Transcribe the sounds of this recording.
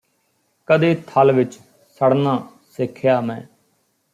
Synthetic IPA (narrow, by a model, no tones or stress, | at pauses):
kəd̪eːt̪ʰəlʋɪt͡ʃ | səɽnãː | sɪkʰːjaːmɛ̃ː